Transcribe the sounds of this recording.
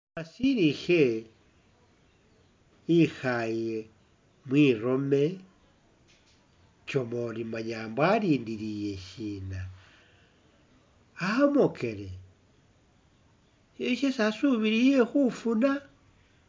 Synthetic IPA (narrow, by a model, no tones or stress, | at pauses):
asiɾixe | ixaje | mwiɾo̞me̞ | t͡ʃomolimaɲaːmbaɾiːndiɾije̞ʃina | aamokʰe̞ɾe | eʃesasuβiɾijexufuna